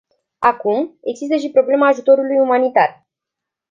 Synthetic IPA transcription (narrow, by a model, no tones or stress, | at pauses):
akume̞ɡzis̬t̪əʃ̬ipɾo̞ble̞maːʒut̪o̞ɾulujumanit̪ar